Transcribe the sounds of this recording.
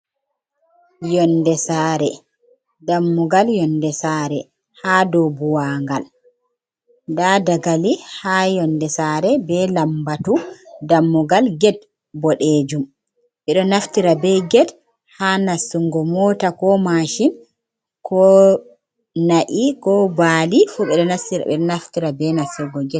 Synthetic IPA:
jɔndɛsaːɾɛ | damːuɡaljɔndɛsaːɾɛ | hadɔbuwaːŋɡal | dadaɡalihajɔndɛsaːɾɛbɛlambatudamːuɡalɡɛt̚ | bɔɗed͡ʒum | ɓɛɗɔnaftiɾabɛɡɛt | hanasːuŋɡɔmɔtakɔmaʃin | kɔ | naʔikɔbaːlifuɓɛɗɔnasiɾɛɗɔnaftiɾabɛnasɛɡɔɡɛt̚

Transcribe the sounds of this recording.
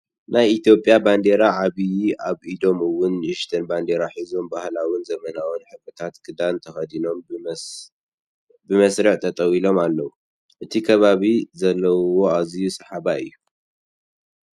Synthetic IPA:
najit̪jo̞pʼjaband̪e̞ɾaʕaβijaβid̪o̞mɨwʊnɪʃt̪ʰɐnband̪e̞ɾaħizombahlawɨnzɐmɐnawɨnħɨkʼɨt̪ʰat̪kʰɨd̪ant̪ʰɐxɐd̪ino̞m | bɨmɐsɾɨħt̪ʰɐt̪ʼɐwilo̞malːɐwu | ʔɨt̪ʰikʰɐβaβizɐlːɐwo̞azijusɨħaβaɨ̰jːu

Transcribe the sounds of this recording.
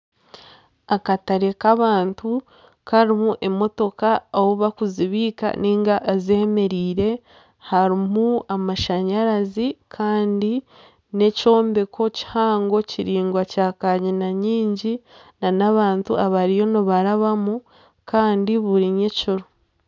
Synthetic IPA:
akataɾe̞kaβaːntu | kaɾimuʔe̞mo̞to̞kaowoβakuziβiːka̰niːŋɡaʔːzeme̞ɾiːɾe̞ | haɾimuamaʃaɲaɾazikʰaːndi | ne̞co̞ːmbe̞kʰo̞ci̥haːŋɡo̞ciɾiːŋɡwacakaɲinaɲiːɲɟinanaβaːntṵaβaɾijo̞noβaɾaβamu | kaːndiβuɾiɲeciɾo

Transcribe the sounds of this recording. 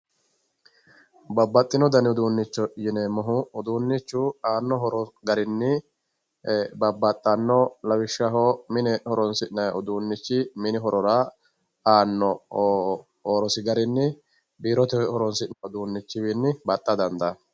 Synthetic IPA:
bɐbːɐt̪ʼːɪnɔd̪ɐnɪʊd̪uːnːɪt͡ʃːɔjɪnɛmɔɦʊːd̪uːnːɪt͡ʃːʊaːnːɔɦɔɾɔɡɐɾɪnːɪ | bɐbːɐt̪ʼːɐnːɔlɐwɪʃːɐɦɔmɪnɛhɔɾɔnsɪʔnɐʊd̪uːnːɪt͡ʃːɪmɪnɪɦɔɾɔɾa | aːnːɔ | oːɾɔsɪɡɐɾɪnːɪ | biːɾɔt̪ɛhɔɾɔnsɪʔnɐʊd̪uːnːɪt͡ʃːɪbinːɪbɐt̪ʼːɐd̪ɐnd̪ɐ

